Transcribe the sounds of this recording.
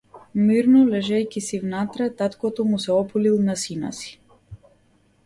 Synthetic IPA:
miɾnɔlɛʒɛjkʲisivnat̪ɾɛt̪at̪kɔt̪ɔmusɛɔpulilˠnasina̰si̥

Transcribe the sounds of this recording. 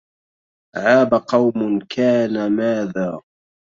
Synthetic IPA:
ʕaːbaqɑwmʊnkʰaːnamaːðaː

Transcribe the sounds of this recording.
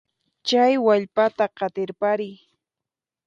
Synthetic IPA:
t͡ʃajwaʎpat̪aɢɑt̪ɪɾpaɾɪj

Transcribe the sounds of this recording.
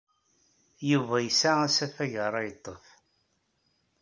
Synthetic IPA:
juvæjəsææsæfæʝəɾˤæjət̪ˤːəf

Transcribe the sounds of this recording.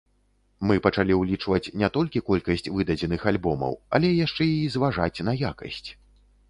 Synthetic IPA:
mɨpɐt͡ʂalʲiwlʲit͡ʂvɐt͡sʲnʲɛt̪ɔlʲkʲikɔlʲkɐsʲt͡sʲvɨd̪ɐd͡zʲɛnɨxalʲbɔmɐ̰wɐ̰lʲɛjaʂt͡ʂɛizvaʐat͡sʲnɐjakɐ̰sʲt͡sʲ

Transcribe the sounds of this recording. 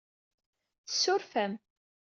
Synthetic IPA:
θəsːʊɾfæm

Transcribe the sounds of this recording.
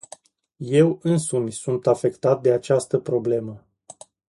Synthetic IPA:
je̞wɨnsumʲsunt̪afe̞kt̪at̪̚d̪e̞at͡ʃast̪əpɾo̞ble̞mə

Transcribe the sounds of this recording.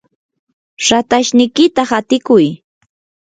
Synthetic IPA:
ɾat̪aʃnɪjkɪt̪aχat̪ɪkʊj

